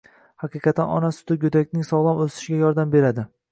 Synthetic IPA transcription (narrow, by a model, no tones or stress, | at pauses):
hɑqɨqʰɑt̪ʰːanɒ̰nasʊ̥t̪ʰɪɡʲɵd̪akʲnɪŋsɒwvamɵzt̪ɪ̥ʃɪɡʲajɒɾd̪ambe̞ɾad̪ɪ